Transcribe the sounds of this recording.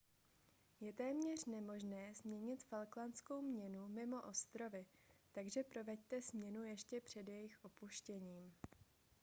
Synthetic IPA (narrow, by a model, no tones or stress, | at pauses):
jɛt̪ɛːmɲɛr̝̥nɛmo̞ʒnɛːzmɲɛɲɪt̪falklansko̞wmɲɛnumɪmo̞ʔo̞st̪ɾo̞vɪt̪aɡʒɛpɾo̞vɛct̪ɛzmɲɛnujɛʃcɛpr̝̥ɛdjɛjɪxʔo̞puʃcɛɲiːm